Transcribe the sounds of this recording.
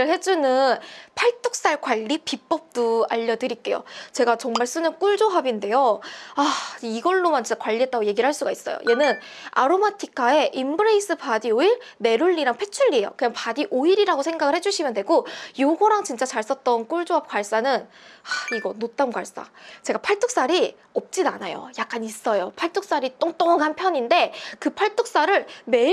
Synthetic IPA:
ɯɭhe̞d͡ʑunɯnpʰaɭt͈ok̚s͈aɭkwaʎːipip͈ʌp̚t͈oa̰ʎːʌdɯɾik͈e̞jo̰t͡ɕe̞ɡat͡ɕʌŋmaɭs͈unɯnk͈uɭd͡ʑoɦabinde̞joaiɡʌɭːomant͡ɕit͡ɕakwaʎːiɦe̞t͈aɡoje̞ɡiɾɭɦaɭs͈uɡais͈ʌjo̰je̞nɯn | aɾomatʰikʰae̞ʔimbɯɾeis͈ʰɯpadioiɾne̞ɾuʎːiɾaŋpʰe̞t͡ɕʰuɭːie̞jo̰kɯɲaŋpadiʔoiɾiɾaɡosʰe̞ŋɡaɡɯɭhe̞d͡ʑuɕʰimjʌndwe̞ɡojoɡoɾaŋt͡ɕint͡ɕ͈at͡ɕaɭs͈ʌt̚t͈ʌnk͈uɭd͡ʑoɦap̚k͈waɭs͈anɯnaiɡʌnot͈̚ankwa̰ɭs͈a̰t͡ɕe̞ɡapʰaɭtʰok̚s͈aɾi | ʌp̚t͡ɕ͈inanajo̰jak̚k͈anis͈ʌjopʰaɭtʰok̚s͈aɾit͈oŋt͈oŋaŋanpʰjʌɲinde̞kɯpʰaɭtʰok̚s͈aɾɯɭme̞

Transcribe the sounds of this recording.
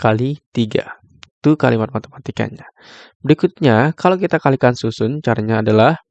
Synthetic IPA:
kalit̪iɡa̰ | t̪ukalimat̪̚mat̪emat̪ika̰nɲa | bəɾikut̪̚ɲakalawkit̪akalikansusʊnt͡ʃaɾaɲaːdalah

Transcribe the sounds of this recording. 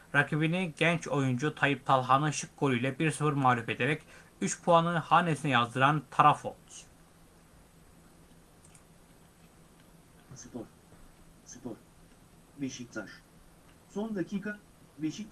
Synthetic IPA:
ɾakʰiβiniɟænt͡ʃʰo̞jund͡ʒut̪ʰajɯp̚t̪ʰalˠɦanɯʃɯk̚ɡolʲˠyjlʲɛbiɾsɯfɯɾmaːlʲufe̞d̪eɾɛc | yt͡ʃpʰuanɯhaːnesinɛjazd̪ɯɾant̪ʰaɾafo̰t̪ | sɯpoɾ | sɯpoɾ | veʃikt̪ʰaɾ | sond̪acʰiːkʰa | veʃi

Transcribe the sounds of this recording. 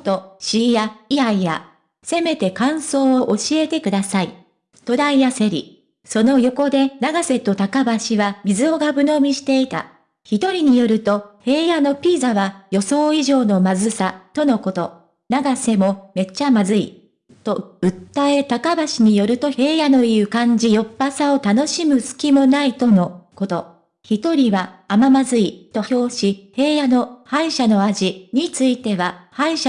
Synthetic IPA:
t̪o̞ɕijaiaija̰ | se̞me̞t̪e̞kãɰ̃so̞ːoʔoɕie̞t̪e̞kɯ̟d̪asai | t̪o̞d̪aijase̞ɾʲḭ | so̞no̞jo̞ko̞d̪e̞naɡase̞t̪o̞t̪akabaɕiβamʲizɨo̞ɡabɯ̟no̞mʲiɕi̥t̪e̞it̪a̰ | çit̪o̞ɾʲiɲ̟ijo̞ɾɯ̟t̪o̞he̞ːjano̞pʲiːzaβajo̞so̞ːiʑo̞ːno̞mazɨsat̪o̞no̞ko̞t̪o̞ | naɡase̞mo̞me̞t͡ɕːamazɨḭ | t̪o̞ɯ̟t̪ːae̞t̪akabaɕiɲ̟ijo̞ɾɯ̟t̪o̞e̞ːjano̞jiɯɯkãɲ̟d͡ʑijo̞pːasao̞t̪ano̞ɕimɯ̟sɨ̥kʲimo̞nait̪o̞no̞ko̞t̪o̞ | çit̪o̞ɾʲiβaːmamazɨit̪o̞ço̞ːɕihe̞ːjano̞haiɕano̞aʑiɲ̟it͡sɨit̪e̞βahaiɕa

